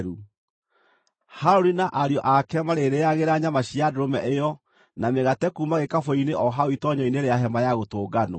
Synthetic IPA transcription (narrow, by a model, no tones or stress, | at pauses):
ɾu | haɾoɾinaʔaɾjɔʔakɛmaɾeɾeaɣeɾaɲamaɕiadoɾomɛʔejɔ | nameɣatɛkumaɣekafoineʔɔɦaoitɔɲɔineɾeaɦɛmajaɣotoːɡano̰